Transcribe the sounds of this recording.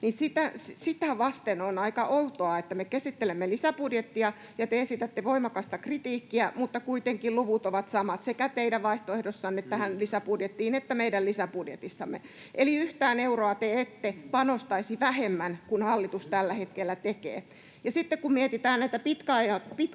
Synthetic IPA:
nisit̪æssit̪æʋɑst̪enonɑikɑʔout̪oɑet̪ːæmekesit̪ːelemːelisæpudjet̪ːiɑ | jɑt̪eesit̪æt̪ːeʋoimɑkɑst̪ɑkrit̪iːkːiæmut̪ːɑkuit̪eŋkiluʋut̪oʋɑt̪sɑmɑt̪sekæt̪eidæʋʋɑiht̪oehdosːɑnːet̪ːæhænlisæpudjet̪ːiːnet̪ːæmeidællisæpudjet̪isːɑmːḛ | ʔeliyht̪æːneuroɑt̪eet̪ːepɑnost̪ɑisiʋæhemːænkunhɑlːit̪ust̪ælːæhet̪kelːæt̪ekḛː | jɑsit̪ːekkummiet̪it̪æːnnæit̪æpit̪kæɑjɑpit̪

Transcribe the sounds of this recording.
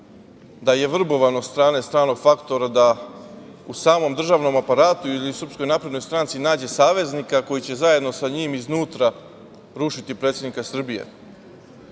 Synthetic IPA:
d̪aje̞ʋr̩bo̞ʋanot̪st̪ɾaːne̞st̪ɾaːno̞ɡfakt̪o̞ɾad̪a | usaːmo̞md̪r̩ʒaːʋno̞mapaɾaːt̪uiliusr̩psko̞jnapɾed̪no̞jst̪ɾant̪sinaːd͡ʑe̞saːʋe̞znikako̞jit͡ɕe̞zaje̞d̪no̞saɲiːmiznuːt̪ɾa | ɾuʃit̪ipɾet̪sjed̪nikasr̩bijḛ

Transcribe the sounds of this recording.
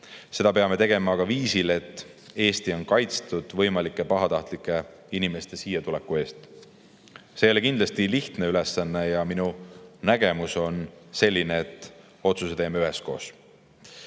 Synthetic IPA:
se̞d̪̥ɑpe̞ɑme̞t̪e̞ɡ̥e̞mɑːɡ̥ɑviːsilet̪ˑː | e̞ːst̪io̞nkɑjt̪st̪ud̪̥vɤ̞jmɑlikːˑepɑɦɑt̪ɑht̪likːˑe̞ | inime̞st̪e̞siːjɑt̪ulekːue̞ːst̪ | se̞jo̞lekind̪lɑst̪iliht̪ne̞yle̞sːɑnːe̞jɑminunæɡ̥e̞muso̞nse̞lʲːineːt̪ːˑ | o̞t̪suse̞t̪e̞ːmeyɦe̞sko̞ːs

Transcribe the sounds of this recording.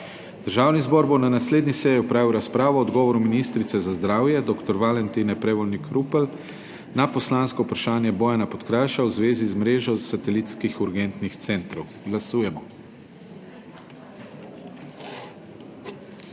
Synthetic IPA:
d̪̥əɾʒaːwnizbɔɾboɔnanasleːd̪nisɛjiɔpɾaːʋiwɾaspɾaːʋɔːd̪ɡɔːʋɔɾuminiːst̪ɾit̪sɛzazd̪ɾaːwjɛd̪ɔkt̪ɔɾʋalɛnt̪inɛpɾɛʋɔlnikɾʔuːpɛl | napɔslaːnskɔupɾaʃaːnjɛbɔːjɛnapɔt̪kɾajʃawzʋeːzizmɾeːʒɔsat̪ɛlit̪skixuɾɡɛnt̪nixt̪sɛnt̪ɾɔw | ɡlasuːjɛmɔ

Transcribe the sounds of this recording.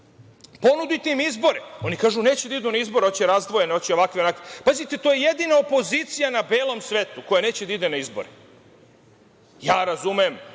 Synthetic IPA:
po̞nud̪ujt̪eimizbo̞ɾeo̞nikaːʒune̞ːt͡ɕed̪aid̪unaizbo̞ɾeo̞t͡ɕeɾazd̪ʋo̞jeneot͡ɕeo̞ʋakʋeonakʋepaːzit̪et̪ojejed̪inaopo̞zit̪sijanabe̞ːlo̞msʋeːt̪uko̞jane̞ːt͡ɕed̪aid̪enaizboɾḛ | jaːɾazumem

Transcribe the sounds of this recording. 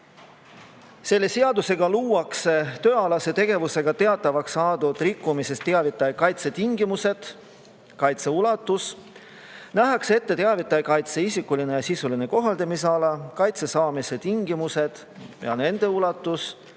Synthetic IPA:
se̞lːe̞seɑd̪use̞ɡɑluːɑkset̪ø̞ːɑlɑse̞t̪eɡ̥e̞vuse̞ɡ̥ɑt̪e̞ɑt̪ːˑɑvɑksɑːd̪ud̪̥rikːumise̞st̪ːeɑvit̪ːˑɑjɑkɑjt̪se̞t̪iŋɡ̥imuse̞d̪̥ | kɑjt̪se̞ulɑt̪ːˑus | næɦɑkse̞t̪ːe̞t̪e̞ɑvit̪ːˑɑjkɑjt̪se̞isikːulinejɑsisuline̞ko̞ɦɑld̪ɑmiseɑlɑkɑjt̪se̞sɑːmise̞t̪iŋɡimuse̞d̪̥ | jɑ̰ne̞nd̪̥e̞ulɑt̪ːˑus

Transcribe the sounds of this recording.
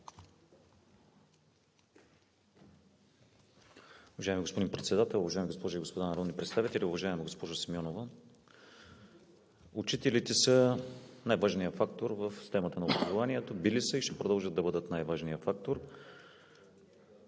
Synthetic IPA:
ʊvɐʒaɛmiɡospod̪inpɾɛt̪sɛd̪at̪ɛlˠʊvɐʒajɛmiɡospɔʒʊiɡospod̪anɐɾɔd̪nipɾɛt̪st̪avit̪ɛlʲiʊvɐʒaɛmɛɡospɔʒʊsimʲɔnovə | ut͡ʃit̪ɛlit̪ɛsənajvaʒnijəfak̚t̪oɾvəfst̪ɛmət̪ənɐobɾɐzovaniɛt̪obilisəiʃt̪ɛpɾod̪əlˠʒəd̪ɐbɤd̪ət̪najvaʒnijəfak̚t̪oɾ

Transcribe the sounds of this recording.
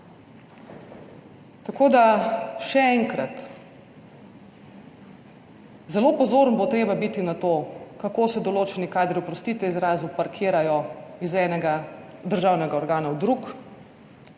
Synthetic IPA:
t̪akoːd̪aʃɛɛŋkɾat̪ | zɛloːpɔzoːɾnbot̪ɾeːbabit̪inat̪oːkakoːsɛd̪ɔloːt͡ʃɛnikaːd̪ɾiɔpɾɔst̪iːt̪ʋɛizɾaːzupaɾkʰiːɾajɔizɛːnɛɡad̪əɾʒaːwnɛɡaɔɾɡaːnawd̪ɾuk

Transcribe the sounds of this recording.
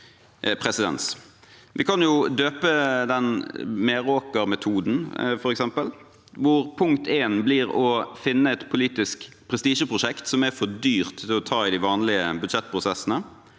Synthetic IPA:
pʰɾɛsɪd̪ɛ̰ns | ʋɪkʰɑnjʊd̪øːpəd̪ɛnmeːɾoːkəɾmɛt̪ʰuːd̪n̩fɔɾɛksɛmpəl | ʋʊʁpʰʊŋkt̪ʰeːnbliːʁɔfɪnːəɛt̪pʰʊliːt̪ɪsk | pʰɾɛst̪iːʃəpʰʁʊʂɛkt̪sɔmæfɔd̪yːʁt̪ʰːɪlɔt̪ʰɑːɪd̪ɪʋɑːnlɪəbʉd̪ʃɛt̪̚ːpʰʁʊsɛsənə

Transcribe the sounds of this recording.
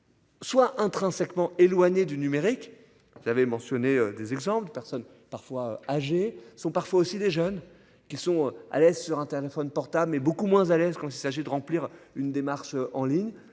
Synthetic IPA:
swaʔɛ̃t̪χɛ̃sɛkmɑ̃elwaɲed̪ynymeʁik | uzavemɑ̃sjɔneød̪ezɛɡzɑ̃pld̪əpɛʁsɔn | paʁfwaøaʒesɔ̃paʁfwaosid̪eʒœn | kʲisɔ̃øa̰lɛzsyʁɛ̃t̪elefɔnpɔʁt̪ablmɛbokumwɛ̃zalɛzkɑ̃t̪ilsaʒid̪əʁɑ̃pliʁynd̪emaʁʃøɑ̃liɲ

